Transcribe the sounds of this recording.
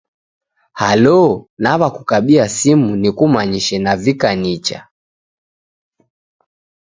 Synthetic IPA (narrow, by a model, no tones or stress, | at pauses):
halɔnaβakukaɓiasimunikumaɲiʃɛnavikanit͡ʃa̰